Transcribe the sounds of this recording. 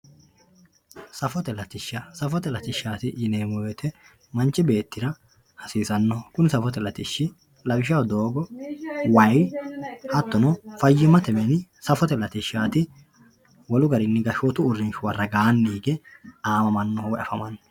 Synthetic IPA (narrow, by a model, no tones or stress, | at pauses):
sɐfɔt̪ɛlɐt̪ɪʃːɐsɐfɔt̪ɛlɐt̪ɪʃːaːt̪ɪd͡ʒɪneːmɔjɔt̪ɛ | mɐnt͡ʃːɪbe̞ːt̪ːɪɾɐ | hɐsiːsɐnːɔkʊnɪsɐfɔt̪ɛlɐt̪ɪʃːɪ | lɐbɪʃ̬ɐwd̪o̞ːɡɔwɐj | hɐt̪ːɔnɔfɐjːɪmɐt̪ɛmɛnɪsɐfɔt̪ɛlɐt̪ɪʃːaːt̪ɪ | wɔlʊɡɐɾɪnːɪɡɐʃɔːt̪ʊʊrːɪnʃʊwɐrːɐɡaːnːiːɡɛaːmɐmɐnːɔwɔʔɐ̰fɐmɐnːɔ